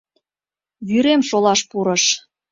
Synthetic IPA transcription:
βyɾemʃolɑʃpuɾɤ̆ʃ

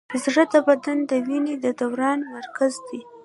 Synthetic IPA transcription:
zɽəd̪əbad̪and̪əwined̪əd̪awɾɑnmaɾkazd̪i

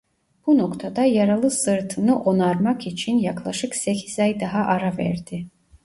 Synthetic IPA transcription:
b̥uno̞kt̪ʰad̪ajaɾalˠɯsɯɾt̪ʰɯnɯʔo̞naɾmakit͡ʃʰinjaklˠaʃɯksecʰizajd̪aɦaʔaɾavæ̰ɾd̪̥ɪ

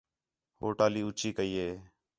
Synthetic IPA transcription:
ɦo̰ːʈaːliːʊt͡ʃiːkəiːɦeː

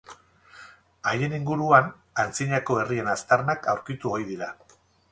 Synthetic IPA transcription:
aje̞niŋɡuɾuan | ant͡siɲako̞e̞rie̞nast̪aɾnakawɾkit̪uojðiɾa

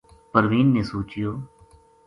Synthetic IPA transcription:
pəɾʋiːnːeːsoːt͡ʃɪjoː

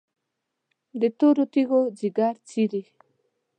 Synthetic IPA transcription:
d̪et̪oɾot̪iɣod͡ʑiɡaɾt͡siɾi

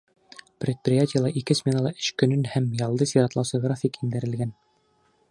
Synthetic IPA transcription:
prʲet̪̚prʲɪjatʲɪjəlˠɑʔikɘsmʲenɑlˠɑʔɘ̥ʃkɵ̆nɵnhæmjɑlˠd̪ɤsɑɾɑt̪lˠɑwsɤɡɾafʲikind̪ɘ̆ɾɘ̆lɡæn

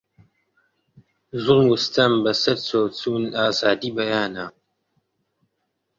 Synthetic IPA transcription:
zʊʁmwʊstʰɐmbɐsɐɾt͡sʰot͡sʰuːnaːzaːdiːbɐjaːnaː

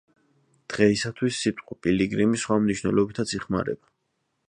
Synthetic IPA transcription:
d̪̥ʁɛisat̪ʰwisːit̪ʼqʼɔpʼiliɡɾimisχwamniʃwnɛ̰lˠɔbit̪ʰat̪sʰiχma̰ɾɛ̰ba

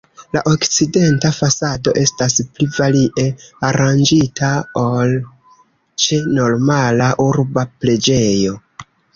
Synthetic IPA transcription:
la̰ʔo̞kt͡side̞ntafasado̞̰ʔe̞stasplivaliʔe̞aɾand͡ʒitʰaol | t͡ʃe̞no̞ɾmalaʔuɾbaple̞d͡ʒe̞jo̞

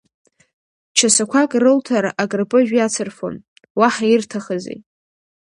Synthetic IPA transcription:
t͡ʃʰasakʷʰakʼrɨltʰaɾaʔaɡʼrpʼɨʒᶣjat͡sʰɨrfo̰n | waħairtʰaχazḛj

